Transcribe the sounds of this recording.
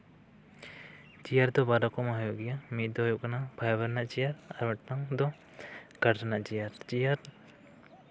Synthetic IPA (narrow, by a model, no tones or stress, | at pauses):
t͡ʃijaɾd̪ɔbaɾakɔmaɦjoɡjamit̪̚d̪ɔjoknabʱajabəɾnaʔt͡ʃijaɾaɾmɛʈnaŋd̪ɔ | ɡ̥aɾɾanaʔt͡ʃijaɾt͡ʃijaɾ